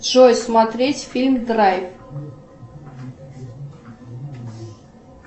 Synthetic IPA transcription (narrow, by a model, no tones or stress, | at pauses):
ʐojsmɐt̪ɾʲetʲfʲilʲmd̪rajf